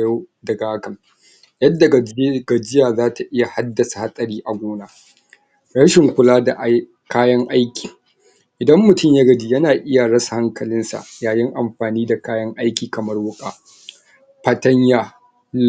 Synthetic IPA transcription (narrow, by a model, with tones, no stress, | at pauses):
jdɐ˨ɡaː˦kɐ˨n | jɐ˦dːa˨ɡa˨d͡ʒɪ˦jaː˨zaː˦ta˨ʔɪ˦ja˨ha˦dːɐ˨sḁ˨ha˦sʼɐ˨ɾiː˦ʔa˨ɡʷoː˦naː˨ | ɽɐ˦ʃɪ˨ŋkʷʊ˦laː˦da˨ʔ | kaː˦jɐ˦ŋʔa˦jkʲi̥ː˨ | ʔɪ˨dɐ˦mːʊ˨tʊ˦˨ɲjɐ˦ɡɐ˨d͡ʒiː˦jɐ˦naː˨ʔɪ˦ja˨ɽɐ˦sa˨ha˦ŋkɐ˨lɪ˦nsa̰˨ʔjaː˨jɪ˦ŋʔa˨mɸaː˨niː˦da˨kaː˦jɐ˦ŋʔa˦jkʲiː˨kɐ˨mɐ˦rwʊ˦kʼaː˨ | ɸɐ˦tɐ˦ɲjaː˨